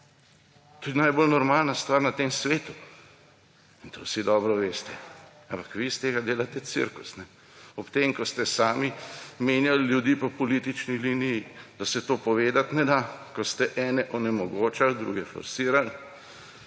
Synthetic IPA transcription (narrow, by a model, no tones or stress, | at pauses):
t̪ud̪ʲnajboːlnɔɾmaːlnast̪ʋaːɾnat̪eːmsʋeːt̪u | int̪ʰo̰wsid̪ɔːbɾɔʋeːst̪ɛ | ampakʋist̪eːɡad̪eːlat̪ɛt̪sḭɾkusnɛ | ɔpt̪emkɔst̪ɛsaːmimeːnjalljud̪iːpɔpɔliːt̪it͡ʃniliːnijid̪̥asɛt̪oːpɔʋeːd̪at̪nɛd̪akɔst̪ɛʔɛːnɛʔɔnɛmɔɡoːt͡ʃald̪ɾṵːɡɛfɔ̰ɾsiːɾal